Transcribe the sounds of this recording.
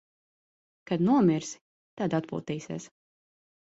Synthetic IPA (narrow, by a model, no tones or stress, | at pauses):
kad̪nuɔmiɾs | t̪ad̪at̪pṵːt̪iːsiɛs